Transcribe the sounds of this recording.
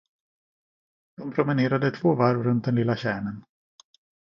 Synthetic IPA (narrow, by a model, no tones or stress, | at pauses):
d̪̥ɔmpʰɾʊmɛneːɾad̪ət̪ʰvoːvaɾvɾɵnt̪̚d̪ɛnɪlːaɕɛːɳən